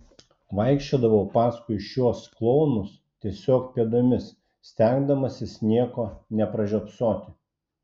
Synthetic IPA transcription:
ʋɐɪkʃʲt͡ʃʲoːd̪ɐʋɐʊpɑːskʊɪʃʲuɔsklˠɔʊnʊs | t̪ʲiɛsʲoːkpʲiɛd̪oːmʲɪs | sʲt̪ʲæˑŋɡd̪ɐmɐsʲɪsnʲiɛkoːnʲɛpɾɐʒʲopsoːt̪ʲɪ

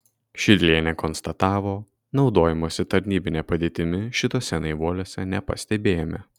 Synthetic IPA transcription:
ʃʲɪd̪ʲlʲiɛnʲɛkɔnst̪ɐt̪ɑːʋoː | nɒʊd̪oːjɛmoːsʲɪt̪ɐɾʲnʲiːbʲɪnʲeːpɐd̪ʲeːt̪ʲɪmʲɪʃʲɪt̪oːsʲɛnɐɪʋuɔlʲoːsʲɛnʲɛpɐ̰sʲt̪ʲɛbʲeːjomʲɛ

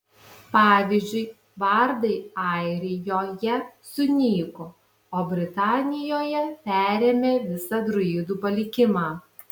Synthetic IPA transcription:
pɑːʋʲiːzʲd͡ʒʲʊɪ | ʋɐɾd̪ɐɪɑɪɾʲɪjoːjɛsʊnʲiːko | oːbʲɾʲɪt̪ɑːnʲɪjoːjɛpʲæːɾʲeːmʲeːʋʲɪsɑd̪ɾʊiːd̪uːpɐlʲɪkʲɪmɑː

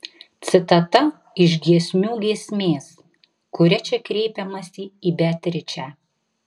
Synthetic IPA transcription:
t̪sʲɪt̪ɐt̪ɐ | ɪʒʲɡʲiɛsʲmʲuːɡʲiɛsʲmʲeːs | kʊɾʲɛt͡ʃʲɛkɾʲɛɪpʲɛmɐsʲiːiːbʲɛt̪ʲɾʲɪt͡ʃʲæː

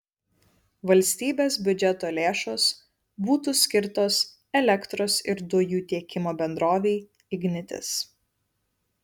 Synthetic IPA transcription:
ʋɐlʲsʲt̪ʲiːbʲeːsbʲʊd͡ʒʲɛt̪oːlʲeːʃoːs | buːt̪uːsʲkʲɪɾt̪oːs | ɛlʲɛkt̪ɾoːsɪɾd̪ʊjuːt̪ʲiɛkʲɪmoːbʲɛnd̪ɾoːʋʲɛɪ | ɪɡʲnʲɪt̪ʲɪ̰s

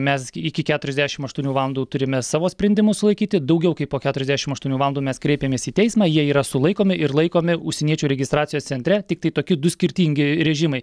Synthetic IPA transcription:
mʲɛsɪkʲɪkʲæːt̪ʊɾʲɛzd̪ʲæːʃʲɪmɐʃt̪uɔnʲuːʋɑːlˠɐnd̪uːt̪ʊɾʲɪmʲɛsɑːʋoːsʲpʲɾʲɛnʲd̪ʲɪmʊsʊlˠɐɪkʲiːt̪ʲɪd̪ɐʊɡʲɛʊkɐɪpoːkʲæːt̪ʊɾʲɛzʲd̪ʲæʃʲɪmɐʃt̪uɔnʲuːʋɑlˠnd̪uːmʲɛskɾʲɛɪpʲeːmʲeːsiːt̪ʲɛɪsmɑːjiɛiːɾɐsʊlˠɐɪkoːmʲɪʔɪɾlˠɐɪkoːmʲɪʊʃʲsʲɛniɛt͡ʃʲuːɾʲɛɡʲɪst̪ɾɑːt̪t͡s̪ʲɪjoːst͡s̪ʲɛnʲt̪ɾʲɛt̪ʲɪkt̪ɐɪt̪oːkʲɪd̪ʊsʲkʲɪɾʲt̪ʲiːŋʲɡʲɪɾʲɛʒʲɪmɐɪ

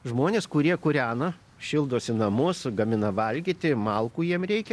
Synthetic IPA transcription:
ʒmoːnʲeːskʊɾʲiɛkʊɾʲæːnɐ | ʃʲɪlˠd̪oːsʲɪnɐmʊsɡɐmʲɪnɐʋɐlʲɡʲit̪ʲɪmɐlˠkuːjiɛmɾʲɛɪkʲɛ

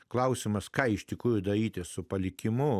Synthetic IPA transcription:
klˠɐʊsʲɪmɐskɑːɪʃʲt̪ʲɪkɾuːjʊd̪ɐɾʲiːt̪ʲɪssʊpɐlʲɪkʲɪmʊ

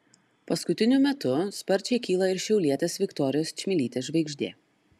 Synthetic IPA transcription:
pɐskʊt̪ʲɪnʲʊmʲɛt̪ʊspɐɾʲt͡ʃʲɛɪkʲiːlˠɐɪɾʃʲɛʊlʲiɛt̪ʲeːsʋʲɪkt̪ɔɾʲɪjoːst͡ʃʲmʲɪlʲiːt̪ʲeːʒʲʋʲɛɪɡʒʲd̪ʲḛː

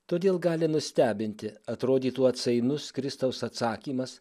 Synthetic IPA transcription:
t̪oːd̪ʲeːlˠɡɑːlʲɪnʊsʲt̪ʲæːbʲɪnʲt̪ʲɪɐt̪ɾoːd̪ʲiːt̪uɐt̪sɐɪnʊskɾʲɪst̪ɐʊsɐt̪sɑːkʲiːmɐs

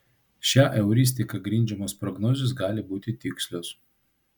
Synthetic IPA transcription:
ʃʲæːʔɛʊɾʲɪsʲt̪ʲɪkɐɡɾʲɪnʲd͡ʒʲɛmɐspɾɔɡnoːzʲɪsɡɑːlʲɪbuːt̪ʲɪt̪ʲɪksʲlʲos

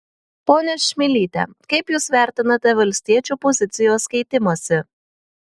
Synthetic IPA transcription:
poːnʲɛʃʲmʲɪlʲiːt̪ʲɛ̰kɐɪpjuːsʋʲæˑɾʲt̪ʲɪnɐt̪ʲɛʋɐlʲsʲt̪ʲiɛt͡ʃʲuːpɔzʲɪt̪sʲɪjoːskʲɛɪt̪ʲɪmoːsʲɪ

